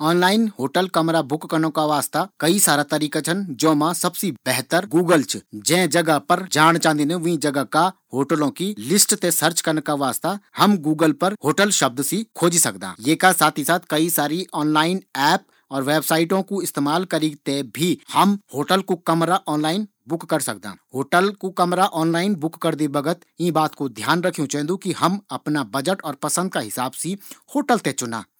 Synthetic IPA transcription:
ɔːnlaːɪnɦoːʈəlkɐmɾabʊkːɐɾnokaʋaːst̪akɐisaːɾat̪ɐɾiːkãt͡ʃʰənd͡ʒoːmãsɐbsib̥ɛɦt̪əɾɡuːɡəlt͡ʃʰd͡ʒɛ̃ːd͡ʒɐɡəpɐɾd͡ʒaːɽ̃t͡ʃãːnd̪inẽʋĩd͡ʒɐɡəkahoːʈəlõkilɪsʈt̪esəɾt͡ʃkɐɾnkaʋaːst̪ahɐmɡuːɡəlpɐɾhoːʈəlʃɐb̚d̪sikʰoːd͡ʒisɐkd̪a̰ːjeːkasaːt̪ʰisaːt̪̚ʰkɐisaːɾiʔɔːnlaːɪnɛːp̚ | ɔːɾʋeːbsaːɪʈõkoɪst̪eːmaːlkɐɾiːt̪ebʱihɐmhoːʈəlkokɐmɾaʔɔːnlaːɪn | bʊkːɐɾsɐ̰kd̪a̰ːhoːʈəlkokɐmɾaʔɔːnlaːɪnbʊkːɐɾd̪ibɐɡət̪ĩbaːt̪kod̪ʱjaːnɾɐkʰijũt͡ʃɛ̃ːnd̪ukiɦɐmɐpnabɐd͡ʒəʈɔːɾpɐsə̃nd̪̚kaɦɪsaːbsihoːʈəlt̪et͡ʃʊna̰ː

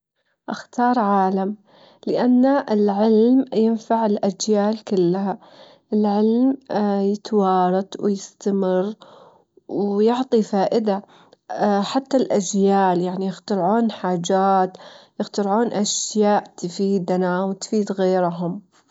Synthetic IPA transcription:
ʔaxt̪ɑːɾˤʕaːlam | lɪʔanːaʔɪlʕɪlmjɪnfaʕɪlʔad͡ʒjaːlkɪlːaha | ʔɪlʕɪlmjɪt̪wɑːɾˤɑt̪ˤwɪjɪst̪amɪrː | wjʊʕt̪ˤifaːʔɪd̪a | ħat̪ːalʔad͡ʒjaːljaʕnijɪxt̪aɾʕuːnħaːd͡ʒaːt̪jɪxt̪aɾʕuːnʔaʃjaːʔt̪fiːd̪nawt̪fiːd̪ɣeːɾɦʊm

